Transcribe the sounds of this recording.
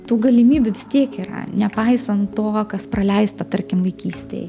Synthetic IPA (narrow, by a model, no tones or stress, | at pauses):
t̪uːɡɐlʲimʲiːbʲʊʋʲɪst̪ʲiɛkiːɾɐ̰nʲɛpɐɪsɐnt̪toːkɐsprɐlʲɛɪst̪ɐt̪ɐɾʲkʲɪmʋɐɪkʲiːsʲt̪ʲḛj